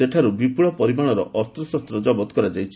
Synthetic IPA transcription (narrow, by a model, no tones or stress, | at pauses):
eʈʰaɾubipuɭɔpɔɾimaɽ̃ɔɾɔʔɔst̪ɾɔsɔst̪ɾɔd͡ʒɔbɔt̪kɔɾad͡ʒajt͡ʃʰi